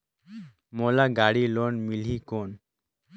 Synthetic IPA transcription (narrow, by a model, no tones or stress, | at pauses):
molaɡaːɽilonmiliːkoːn